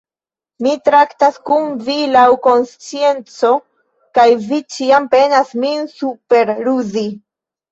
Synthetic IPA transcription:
mitɾaktaskunvilawko̞nst͡sie̞nt͡so̞ | kajvit͡ʃiampe̞nasminsupe̞ɾɾuzi

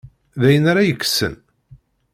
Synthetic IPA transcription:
ðæjənaɾajəkːsə̰n

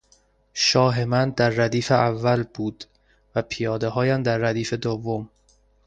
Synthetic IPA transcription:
ʃɒːɦe̞mænd̪æɾːæd̪iːfeʔævːælb̥uːd̪̥ | væpʰijɒːd̪eɦɒːjæmd̪æɾːæd̪iːfed̪ovːom

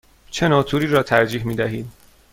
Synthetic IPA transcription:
t͡ʃʰenɒːt̪ʰuːɾiːɾɒːt̪ʰæɾd͡ʒiːɦmiːd̪æɦiːd̪

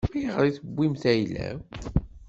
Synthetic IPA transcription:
mæjəʁəɾˤiθəbːimθæjlæ̰

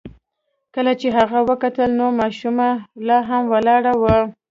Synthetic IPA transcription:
kəlat͡ʃeɦaɣawəkat̪əlnomɑʃumalɑɦamwəlɑɽawə

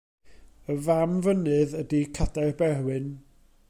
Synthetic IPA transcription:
əvamvənɨðədikʰadarbɛrwɨn

